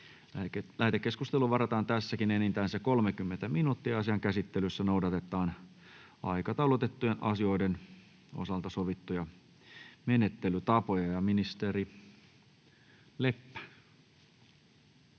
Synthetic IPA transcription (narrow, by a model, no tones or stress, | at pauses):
læht̪ekːeskust̪eluʋɑrɑt̪ɑːnt̪æsːækinenint̪æːnsekolmekymːent̪æminut̪ːiɑɑsiɑŋkæsit̪ːelysːænoudɑt̪et̪ːˑɑːn | ɑ̰ikɑt̪ɑulot̪et̪ːujenʔɑsio̞iden | o̰sɑlt̪ɑsoʋit̪ːujɑ | menet̪ːelyt̪ɑpojɑjɑminist̪eri | lepːæ̥